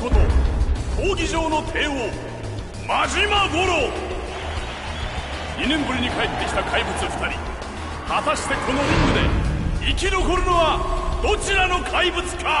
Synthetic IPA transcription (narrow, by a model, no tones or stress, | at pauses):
kot̪ohʰoːɡʲiʑo̞ːno̞t̪ʰe̞ːo | maʑimaɡo̞ɾo | ɲʲinẽ̞mbɯ̟ɾʲiɲ̟ikaet̪ːe̞kʲi̥t̪akʰaibɯ̟t͡sɨfɯ̥t̪aɾʲi | hat̪aɕi̥t̪e̞kʰo̞no̞ɾʲĩŋɡɯ̟d̪e̞ikʲiɾoko̞ɾɯ̟no̞βad̪̥o̞t͡ɕiɾano̞kʰaibɯ̟t͡sɨ̥kʰa